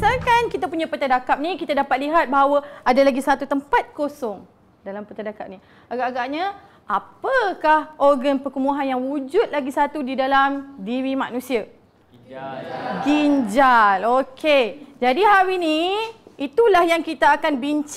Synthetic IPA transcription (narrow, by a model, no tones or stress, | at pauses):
salkankit̪apuɲapət̪adakap̚nĩkit̪adapat̪̚liɦat̪̚baɦawəadalaɡisat̪ut̪əmpat̪̚kosɔŋ | dalampət̪adakap̚ni | aɡaʔaɡaʔɲa | apəkahʔɔrɡanpəkumuɦanjaŋwud͡ʒut̪̚laɡisat̪udidalamdiɾimanũsia | ɡiɲd͡ʒalokʰed͡ʒadiɦaɾiniit̪ulahjaŋkit̪aːkanbiɲt͡ʃ